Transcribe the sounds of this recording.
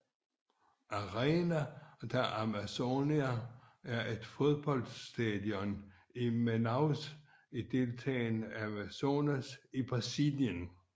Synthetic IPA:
ɑʁɛnæd̥æʔæmæso̝niææɐʔe̝d̥fo̝ðˠb̥ɒ̽l̰d̥sd̥ɛðˠjɔn | imenɑʊs | id̥e̝lt͡sʰɛ̰ːnæmæso̝ːnæsib̥ʁɑsiljən

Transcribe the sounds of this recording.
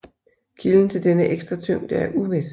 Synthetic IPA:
kʰiln̩t͡sʰe̝ld̥enəʔeɡ̥sd̥ʁɐt͡sʰøm̰d̥æɐʔuʋe̝s

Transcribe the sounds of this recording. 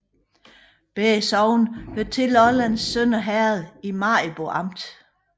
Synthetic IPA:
b̥esɒʊn̩høɐd̚t͡sʰe̝lɒlænsːœnɐɦæɐð̩ˠimɑ̈b̥oɑ̈m̰d̥

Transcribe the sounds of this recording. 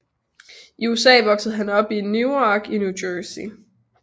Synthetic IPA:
ʔiuesɛ̰ːʋɒ̽ɡ̥sð̩ˠɦænɒ̽b̥inuɒɡ̥injudøːsi

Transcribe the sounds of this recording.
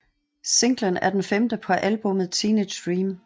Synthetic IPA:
se̝ŋ̰ɡ̥lənæɐd̥enfemd̥əpʰɒ̽ʔælb̥ɔ̽məð̩ˠt͡sʰine̥d̥ʁiːm

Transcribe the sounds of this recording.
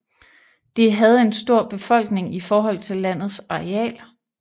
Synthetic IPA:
d̥eɦæð̞̩ˠe̝nsd̥o̝ɐ̰b̥e̝fɒ̽l̰ɡ̥ne̝ŋifɒːɦɒ̽l̰t͡sʰe̝lːæn̰ð̞̩ˠsɑ̈eɛ̰ːl

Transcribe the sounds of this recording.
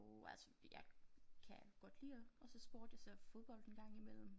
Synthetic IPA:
ælsə̥jæ̈ɪkʰæɡ̥ɒ̽d̥lḭːɐɒ̽sɒ̽sb̥o̝ɐd̥esɒ̽fo̝ð̞ˠb̥ɒ̽l̰d̥enɡ̥ɑ̈ŋ̰imel̰m̩

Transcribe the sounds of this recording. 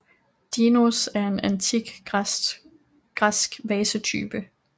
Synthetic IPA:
d̥inosæɐe̝nænt͡sʰiɡ̥ | ɡ̥ʁasɡ̥ʋɛːsət͡sʰy̰ːb̥ə

